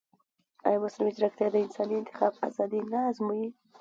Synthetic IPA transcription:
a̰jmʊsɾɪmɪd͡ʒɾakt̪ʰjɑd̪əɪnsɑniɪnt̪ɪ̥xɑba̰zɑd̪inazmuji

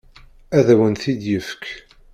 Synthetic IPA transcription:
æðæwənθid̪jəfk

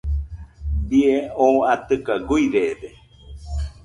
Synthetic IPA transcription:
bieõũat̪ɨkaɡujɾede

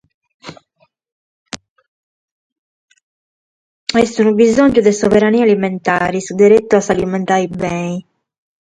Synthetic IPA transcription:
ɛst̪unubizɔnd͡ʒud̪ɛsɔvɛɾaniːalimɛnt̪aːɾisud̪ɛɾet̪ːuasalimɛnt̪aibɛi

